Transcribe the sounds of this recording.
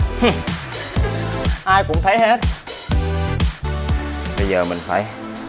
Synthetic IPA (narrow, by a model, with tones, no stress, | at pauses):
h | ʔaː˧jkʊ˧˥ŋ͡mt̪ʰə˨˦jɦe˦˥t̚ | ɓə˧jzəː˨˩mï˨˩ŋ̟faː˧˩j